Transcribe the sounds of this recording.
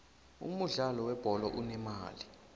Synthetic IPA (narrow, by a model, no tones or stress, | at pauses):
ṵmuɮalɔwɛb̥ʱɔlɔʔunɛmaːli